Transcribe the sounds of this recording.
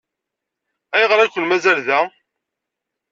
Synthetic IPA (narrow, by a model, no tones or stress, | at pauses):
æjəʁɾˤækʷːəlmæzælðæ